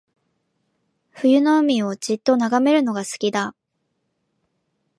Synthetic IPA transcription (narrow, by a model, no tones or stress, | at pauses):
ɸɯjɯ̟no̞ɯ̟mʲio̞d͡ʑit̪ːo̞naɡame̞ɾɯ̟no̞ɡasɨ̥kʲid̪a